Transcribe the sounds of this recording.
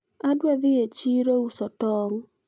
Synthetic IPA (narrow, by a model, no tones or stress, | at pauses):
adwɛðɪet͡ʃiɾousɔtɔŋ